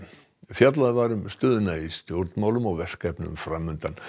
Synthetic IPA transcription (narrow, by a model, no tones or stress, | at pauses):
fjat̪laðvaɾʏmst̪øːðʏnaist̪joɾt̪mawlʏmɔɣvɛr̥skɛpnʏ̰mfɾamːʏnt̪an